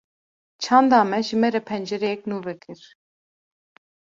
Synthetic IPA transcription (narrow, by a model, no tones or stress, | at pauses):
t͡ʃʰɑːnd̪ɑːmɛʒɨmɛɾɛpʰɛnd͡ʒɛɾɛjɛk̚nuːvɛkʰɨɾ